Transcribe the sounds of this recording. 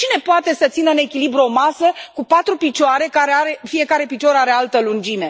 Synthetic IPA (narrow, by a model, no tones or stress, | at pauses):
t͡ʃine̞poat̪e̞sət̪sinəɨne̞kʲilibɾuo̞masəkupat̪ɾupit͡ʃoaɾe̞kaɾeaɾe̞fie̞kaɾe̞pit͡ʃoɾaɾealt̪əlund͡ʒine̞